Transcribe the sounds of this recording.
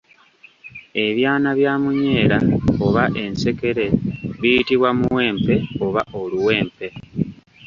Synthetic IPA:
e̞βjaːnaβjaːmuɲe̞ːɾaoβaʔe̞nse̞ke̞ɾe̞βijitiβwamuwe̞ːmpe̞o̞βaʔo̞luwe̞ːmpe̞

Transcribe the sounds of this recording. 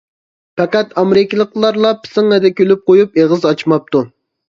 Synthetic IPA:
pɛqɛt̪ɑmɾɪkʲilˠəqlˠɑɾlˠɑpʰɪ̥sɨŋɛd̪ɛkʲʰølyp̚qojupeʁəzɑt͡ʃmɑp̚t̪u

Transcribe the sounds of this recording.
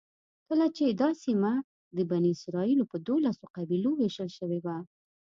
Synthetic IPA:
kəlat͡ʃed̪ɑsima | d̪əbaniɪsɾɑilopəd̪olasoqabiloweʃəlʃəwewa

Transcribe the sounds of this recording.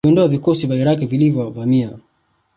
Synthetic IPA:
ɔndɔavikɔsivaiɾak̬ɛvilivjɔvamia

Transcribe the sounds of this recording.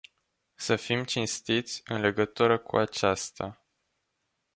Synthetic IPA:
səfimt͡ʃinst̪it̪sʲɨnle̞ɡət̪uɾəkṵat͡ʃast̪a̰

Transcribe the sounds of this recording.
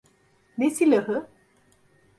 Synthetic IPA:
nesiləɦə

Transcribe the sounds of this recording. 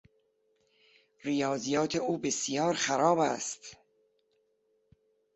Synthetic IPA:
rijɒːzijɒːt̪ʰeuːbesjɒːɾxæɾɒːbæ̰st̪

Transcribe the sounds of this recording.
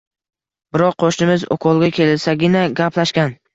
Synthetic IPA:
bɪɾɒqʰːoʃnɪmɪzɒ̰kʰɒlˠɡʲakʲʰe̞lɪlsaɡʲɪnaɡʲapʰlaʃkʲan

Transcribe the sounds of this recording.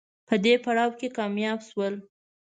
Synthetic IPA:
pəd̪epaɽɑwkekɑmjɑbʃwəl

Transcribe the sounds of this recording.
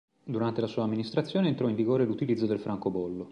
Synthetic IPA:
d̪uɾant̪elasuːaːmːinist̪ɾat̪sːjoːneːnt̪ɾɔiɱviɡoːɾelut̪ilid̪zːod̪elfɾaŋkobɔlːo

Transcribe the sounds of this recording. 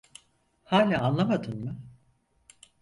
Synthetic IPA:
haːlʲaːanlˠamad̪ɯnmɯ

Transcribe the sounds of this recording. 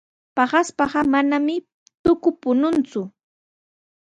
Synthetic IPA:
pɑɢaspɑɢɑmanamɪ | t̪ʊkʊpʊnʊnt͡sʊ

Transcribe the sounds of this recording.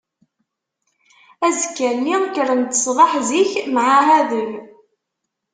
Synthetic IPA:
æzəkːænːikəɾənt̪ə̥sˤʁɑħziçmʕaɦæðəl

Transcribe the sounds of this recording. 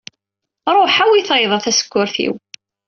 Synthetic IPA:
ɾˤoħæwiθeðˤɑθæsə̥kʷːʊɾθḭw

